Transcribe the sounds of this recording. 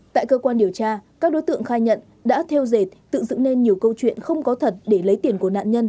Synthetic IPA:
t̪a̰ː˧˨jkəː˧kwaː˧nɗi˨˩əwt͡ɕaː˧kaː˦˥k̚ɗo˨˦jt̪ɨ̰˧˨əŋxaː˧jɲə̰˧˨n | ɗa̰ː˧˥t̪ʰe˧wze˨˩t̚t̪ɨ̰˧˨zɨ̰˧˨ŋne˧nɲi˨˩əwkə˧wt͡ɕwḭ˧˨ənxə˧wŋ͡mkɔ˨˦t̪ʰə˨˩t̚ɗe˧˩lə˨˦jt̪i˧˩ənku˧˩əna̰ː˧˨nɲə˧n

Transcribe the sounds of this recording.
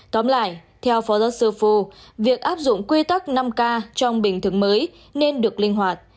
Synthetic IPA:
t̪ɔ˨˦mla̰ː˧˨j | t̪ʰɛ˧wfɔ˨˦zɔ˨˦sɨ˧fu˧vi˨˩ək̚ʔaː˦˥p̚zʊ̰˧˨ŋ͡mkwi˧t̪a˦˥k̚na˧mkaː˧t͡ɕɔ˧wŋ͡mɓï˧˩ŋ̟t̪ʰɨ˨˧˦ŋməː˨˦j | ne˧nɗɨ˨˩ək̚lï˧ŋ̟ɦwaː˨˩t̚

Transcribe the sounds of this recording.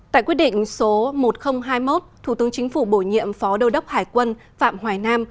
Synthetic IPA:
t̪a̰ː˧˨jkwi˦˥ət̚ɗḭ̈˧˨ŋ̟so˨˦mo˨˩t̚xə˧wŋ͡mɦaː˧jmo˦˥t̚t̪ʰu˧˩t̪ɨ˨əŋt͡ɕï˨˦ŋ̟fu˧˩ɓo˧˩jɲḭ˧˨əmfɔ˨˦ɗə˧wɗə˦˥wp̚haː˧˩jkwə˧nfa̰ː˧˨mhwaː˨˩jnaː˧m

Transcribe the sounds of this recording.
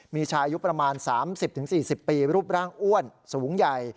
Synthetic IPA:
miː˧t͡ɕʰaː˧ʔa˧ju˦˥pɾa˧maː˧nsaː˩˦msi˨˩p̚t̪ʰɯ˩˦ŋsiː˨˩si˨˩pːiː˧ɾuː˥˩p̚ɾaː˥˩ŋʔu˥˩ənsuː˩˦ŋja˨˩j

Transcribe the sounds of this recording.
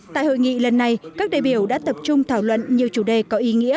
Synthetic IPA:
t̪a̰ː˧˨jho̰˧˨jŋḭ˧˨lə˨˩nːa˨˩jkaː˦˥k̚ɗaː˧˨ɓi˧˩əwɗa̰ː˧˥t̪ə˨˩p̚t͡ɕʊ˧ŋ͡mt̪ʰaː˧˩wlwə̰˧˨nɲi˨˩əwt͡ɕu˧˩ɗe˨˩kɔ˨˦ʔi˨˦ŋḭ˧˥ə

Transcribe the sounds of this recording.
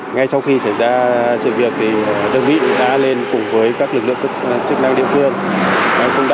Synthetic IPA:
ŋa˧jsa˧wxi˧sa˧˩jzaː˧sɨ̰˧˨vi˨˩ətk̚t̪ʰi˨˩ɗə˧ŋɓḭ˧˨˥ɗa̰ː˧˥le˧nkʊ˨˩ŋ͡mvəː˨˦jkaː˦˥k̚lɨ˨˩lɨ̰˧˨əŋ˦˥t͡ɕɨ˦˥ək̚na˧ŋɗḭ˧˨əfɨ˧əŋna˨˩kʊ̰˧˥wŋ͡mɗa

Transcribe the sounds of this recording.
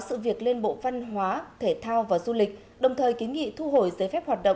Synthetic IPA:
sɨ̰˧˨vi˨˩ək̚le˧nɓo̰˧˨va˧nɦwaː˨˦t̪ʰe˧˩t̪ʰaː˧wvaː˨˩zu˧lï˨˩k̟̚ | ɗə˨˩wŋ͡mt̪ʰəː˨˩jki˨˦nŋḭ˧˨t̪ʰu˧ɦo˧˩jzəː˨˦jfɛ˦˥p̚hwaː˨˩t̚ɗə̰˧˨

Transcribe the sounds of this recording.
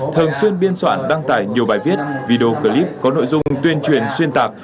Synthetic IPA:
t̪ʰɨ˨˩nswi˧ənɓi˧ənswa̰ː˧˨nɗaː˧ŋt̪a̰ː˧˩jɲi˨˩əwɓaː˨˩jvi˦˥ət̚vi˧ɗo˧kəː˧˩li˦˥p̚kɔ˨˦no̰˧˨jzʊ˧ŋ͡mt̪wi˧ənt͡ɕwi˨˩ənswi˧ənt̪aː˨˩k̚

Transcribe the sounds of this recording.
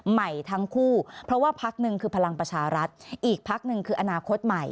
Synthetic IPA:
ma˨˩jt̪ʰa˦˥ŋkʰuː˥˩pʰɾɔ˦˥waː˥˩pʰa˦˥k̚nɯ˨˧ŋkʰɯː˧pʰa˧la˧ŋpɾa˧t͡ɕʰaː˧ɾa˦˥t̪̚ʔiː˨˩k̚pʰa˦˥k̚nɯ˨˧ŋkʰɯː˧ʔa˧naː˧kʰo˦˥t̪̚ma˨˩j

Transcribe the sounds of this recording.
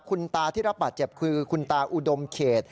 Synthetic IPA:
kʰu˧nt̪aː˧t̪ʰiː˥˩ɾa˦˥pbaː˨˩t̪̚t͡ɕe˨˩p̚kʰɯː˧kʰu˧nt̪aː˧ʔu˨˩do˧mkʰeː˨˩t̪̚

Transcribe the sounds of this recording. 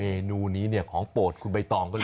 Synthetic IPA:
eː˧nuː˧niː˦˥ni˥˩ɐkʰɔː˩˦ŋpoː˨˩t̪̚kʰu˧nba˧jt̪ɔː˧ŋkɔː˥˩l

